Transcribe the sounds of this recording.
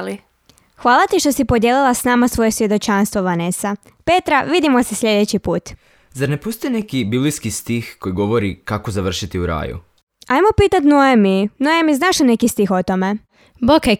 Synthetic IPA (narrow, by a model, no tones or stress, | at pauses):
li | xʋaːlˠat̪iʃt̪o̞sipod̪jelilˠasnaːmasʋo̞je̞sʋje̞d̪o̞t͡ʃanst̪ʋoʋanesa | pet̪ɾaʋid̪imo̞sesʎʲe̞d̪et͡ɕipuːt̪ | zaɾnepust̪ienekibibliskist̪ixkojiɡo̞ʋo̞ɾikakozaʋr̩ʃit̪iuɾa̰ːjṵ | ajmo̞piːt̪at̪noeminojemiznaʃene̞kist̪ixot̪o̞me̞ | boke